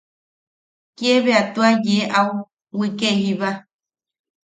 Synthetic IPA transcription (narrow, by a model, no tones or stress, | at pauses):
keβeat̪uajeʔau | wikeɦiβa